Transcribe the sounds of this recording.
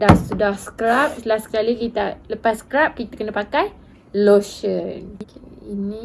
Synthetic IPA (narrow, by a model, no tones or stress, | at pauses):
dahsudahsə̥kɾap̚səlasə̥kalikit̪aləpasskɾap̚kit̪akənəpakaj | loʃənkeinĩ